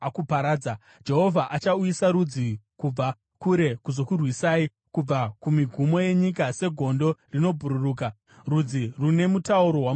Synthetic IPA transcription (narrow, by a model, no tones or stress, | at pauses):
akupaɾaːd͡za | d͡ʒe̞ɦo̞vʱaʔat͡ʃaujisaɾud͡zikub͡va | kuɾe̞kuzo̞kurwisaːi | kub͡vakumiɡʱumo̞je̞ɲikase̞ɡʱo̞ndo̞rino̞bʱuɾuruːka | rud͡zirune̞mutauɾo̞ɦwa